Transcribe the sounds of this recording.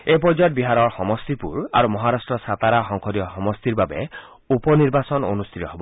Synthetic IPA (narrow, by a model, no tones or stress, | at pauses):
ep̬ɔd͡ʒɔt̪̚biɦaɾɔɹxɔmɔst̪ipuɹa̰ɾumɔɦaɾasʈɹɔsat̪aɾaxɔŋkʰɔdijɔxɔmɔst̪iɾbabe | upɔniɾbasɔno̰nust̪ʰit̪ɔɦebɔ